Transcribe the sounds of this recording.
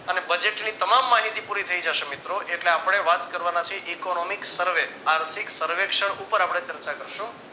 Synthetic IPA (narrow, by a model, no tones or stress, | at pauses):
ənebəd͡ʒeʈnit̪əmamːaɦit̪ipuɾit̪ʰəid͡ʒaʃemɪt̪ɾoʔeʈleapəɽ̃eʋat̪kəɾʋanat͡ʃʰieʔikonomiksəɾʋe | aɾt̪ʰiksəɾʋekʃəɽupəɾapɽ̃ɳ̃et͡ʃəɾt͡ʃakəɾʃũ